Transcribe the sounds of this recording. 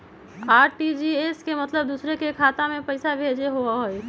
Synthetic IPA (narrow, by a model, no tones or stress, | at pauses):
aːɾʈid͡ʒieːskemɐt̪ləb̚d̪uːsɾekekʰaːt̪amẽpɐɪsabʱeːd͡ʒeɦoaɦoe